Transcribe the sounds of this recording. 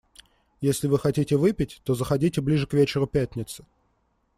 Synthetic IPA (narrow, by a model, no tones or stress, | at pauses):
jesʲlʲɪvɨxɐtʲitʲɪvɨpʲɪtʲt̪o̞zəxɐdʲitʲɪblʲiʐɨkvʲet͡ɕɪɾʊpʲætʲnʲɪt̪sɨ̥